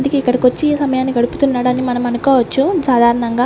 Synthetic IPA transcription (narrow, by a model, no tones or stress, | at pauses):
nd̪ikeːikːɐɽɐkʋɐt͡ʃːiːsɐmɐjaːnːiɡɐɽuput̪unːaːɽɐnːimɐnɐmɐnukɔːʋɐt͡ʃːusaːd̪ʱaːɾɐɳɐŋɡaː